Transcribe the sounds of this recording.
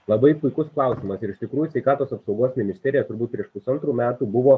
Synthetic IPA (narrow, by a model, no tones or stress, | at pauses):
lˠɐbɐɪpʊɪkʊsklˠɑˑʊsʲiːmɐsɪɾɪʃt̪ʲɪkɾuːjusʲɛɪkɑːt̪oːsɐpsɒʊɡoːsmʲɪnʲɪsʲt̪ʲɛːɾʲɪjɛt̪ʊɾbuːt̪pʲɾʲiɛʃpʊsɐnt̪ɾuːmʲæːt̪uːbʊʋoː